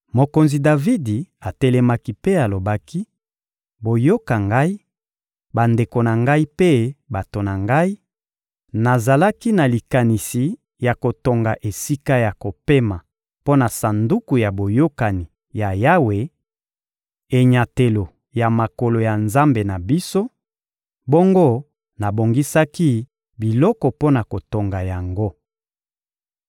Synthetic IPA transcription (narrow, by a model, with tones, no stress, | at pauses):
mo˨ko˨nzi˨da˨vi˦di˨a˨tɛ˦lɛ˦ma˦ki˦pe˦a˨lo˨ba˦ki˦ | bo˨jo˦ka˨ŋɡa˦i˦ | ba˨nde˨ko˨na˨ŋɡa˦i˦pe˦ba˨to˨na˨ŋɡa˦i˦ | na˨za˨la˦ki˦na˨li˨ka˨ni˨si˨ | ja˨ko˨to˨ŋɡa˨ʔe˨si˦ka˦ja˨ko˨pe˦ma˨ | po˦na˨sa˨ndu˦ku˨ja˨bo˨jo˦ka˨ni˨ | ja˨ja˦we˨ | e˨ɲa˨te˨lo˨ | ja˨ma˨ko˨lo˨ja˨nza˦mbe˨na˨bi˦so˦ | bo˦ŋɡo˦ | na˨bo˨ŋɡi˦sa˦ki˦ | bi˨lɔ˦kɔ˨po˦na˨ko˨to˨ŋɡa˨ja˨ŋɡo˦